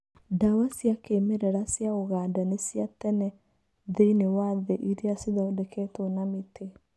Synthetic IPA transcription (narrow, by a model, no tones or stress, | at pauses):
dawasjakeːmeɾɛɾasjaoɣadanesiatɛnɛ | ðeinewaðɛʔiɾiasiðaodɛkʰɛːtonametʰe